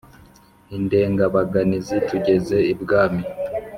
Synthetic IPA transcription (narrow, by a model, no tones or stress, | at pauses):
inde̞ːŋɡaβaɡanizituɟe̞ze̞ibɡaːmi